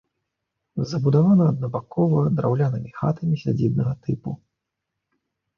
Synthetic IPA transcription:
zɐbud̪avanɐːd̪nɐbakɔvɐd̪ɾawlʲanɨmʲixa̰t̪ʰɐmʲisʲad͡zʲid̪nɐɣɐt̪ɨpu

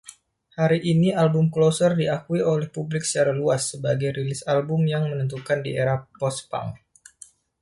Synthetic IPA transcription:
haɾiʔinialbʊmklosərdiakuiolɛhpublɪksə̥t͡ʃaɾaluasːəbaɡajɾilɪsalbʊmjaŋmənənt̪̬ukandḭeɾapɔspa̰ŋ

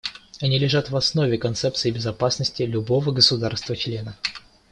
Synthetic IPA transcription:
ɐnʲilʲɪʐat̪vɐsnovʲɪkɐnt̪sɛp̚t̪sɨɪbʲɪzɐpasnəsʲtʲɪlʲʊbo̞vəɡəsʊd̪arst̪vət͡ɕlʲe̞nə

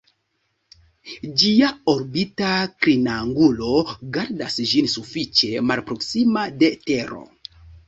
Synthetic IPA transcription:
d͡ʒiaoɾbitakɾinaŋɡulo̞ɡaɾdasd͡ʒinsufit͡ʃe̞malpɾo̞ksimade̞te̞ɾo̞̰

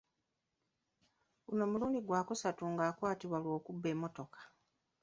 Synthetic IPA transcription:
uno̞ːmuluːndiɡwaːkusatuŋɡaːkwaːtiβwalwo̞ːkubːe̞ːmːo̞to̞kḁ

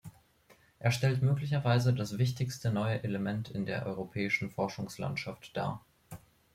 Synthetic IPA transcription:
ʔeːɐʃtɛltmøːklɪçɐvaɪzədasv̥ɪçtɪçstənɔʏəʔeləmɛntʰɪndeːɐʔɔ̰ʏʁopʰɛːɪʃn̩fɔɐʃʊŋsla̰ntʃaftd̥a̰ːɐ

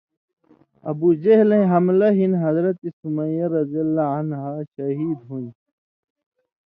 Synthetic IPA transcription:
ɐ̰bud͡ʑeɦlẽĩɦɐmlɐɦinɦɐzɾɐt̪isumɐ̃jɐɾɐzijɐlːaanɦaɕɐɦiːd̪ɦuĩ

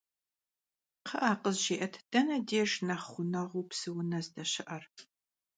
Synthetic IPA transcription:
qʰɐʔaːqəzʒeːʔɐtʰd̥ɐnɐdeːʒnɐχχʷʊnɐʁʷuːpsɨwʊnɐzdɐɕɪʔɐr

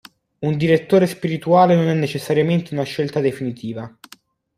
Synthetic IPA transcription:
und̪iɾet̪ːoːɾespiɾit̪uaːlenonɛnːet͡ʃesːaɾjament̪eunaʃːelt̪ad̪efinit̪iːva

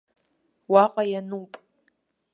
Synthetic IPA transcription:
waqʼajanupʼ

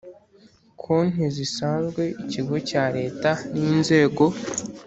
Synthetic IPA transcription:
kʰon̥izisaːnzɡwe̞ʔiciɡo̞caɾe̞ːtaniːnze̞ːɡo̞

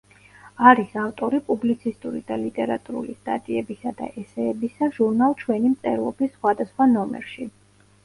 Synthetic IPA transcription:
aɾisaft̪ʼɔɾipʼublit̪sʰist̪ʼuɾḭd̪alit̪ʼɛɾa̰t̪ʼuɾṵlist̪ʼa̰t̪ʼiɛbisad̪a̰ʔɛsɛːbisaʒuɾnalˠt͡ʃʰwɛnimt̪sʼɛ̰ɾlˠɔbisːχwad̪asχwanɔmɛ̰ɾʃi

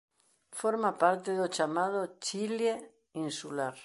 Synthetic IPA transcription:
foɾmapaɾt̪eðot͡ʃamað̞ot͡ʃile | insulaɾ

